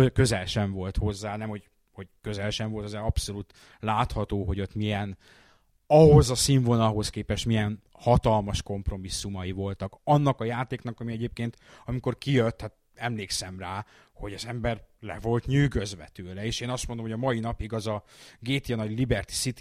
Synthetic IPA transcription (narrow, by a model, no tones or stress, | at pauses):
økø̞zɛlʃɛɱvo̞lt̪ho̞zːaːnɛmho̞ɟ | ho̞ɟkø̞zɛlʃɛɱvo̞lt̪ɒzɛɒpso̞luːt̪ | laːt̪hɒt̪oːɦo̞ɟo̞t̪mijɛn | ɒɦo̞zɒsiɱvonɒɦo̞skeːpɛʃt̪mijɛn | hɒt̪ɒlmɒʃko̞mpro̞misːumɒjivo̞lt̪ɒkɒnːɒkɒjaːt̪eːkn̪ɒkɒmiɛɟeːp̚keːnt̪ɒmiko̞rkijøt̪ːhat̪̚ | ɛmleːksɛmraː | ho̞ɟɒzɛmbɛrlɛ̰vo̞lt̪ɲyːɡøzʋɛ̰t̪øːlɛeːʃeːnɒst̪mond̪omhoɟɒmɒjinɒpiɡɒzɒɡeːt̪ijɒnɒɟlibɛrt̪i̥sit̪